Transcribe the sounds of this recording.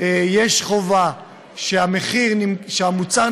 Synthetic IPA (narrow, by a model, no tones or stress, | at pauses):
jeʃχo̞va | ʃeameχiʁniʃeamut͡sa